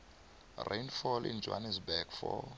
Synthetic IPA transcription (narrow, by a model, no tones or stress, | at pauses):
rʔejnfɔlʔḭnd͡ʒʱwa̰nɛsbɛkfɔ̰